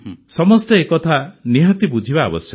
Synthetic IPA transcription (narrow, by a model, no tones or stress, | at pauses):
sɔmɔst̪eekɔt̪ʰaniɦɔt̪ibud͡ʒʱibaːbɔsjɔ